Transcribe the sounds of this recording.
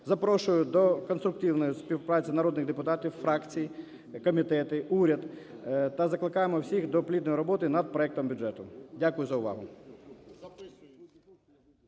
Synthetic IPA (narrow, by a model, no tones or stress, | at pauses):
zɐpɾɔʃʊjʊd̪ɔkɔnst̪ɾʊk̚t̪iwnɔjʊspʲiwpɾɑt͡sʲinɐɾɔd̪nɪɣd̪epʊt̪ɑtʲiwfɾɑkt͡sʲiji | kɔmʲit̪ɛt̪ɪuɾʲɐd̪t̪ɐzɐklˠɪkɑjemɔwsʲixd̪ɔplʲid̪nɔjɾɔbɔt̪ɪnɐd̪̚pɾɔɛk̚t̪ɔmbʲʊʐɛt̪ʊdʲakʊjʊzɐʊʋɑ̰ɦʊ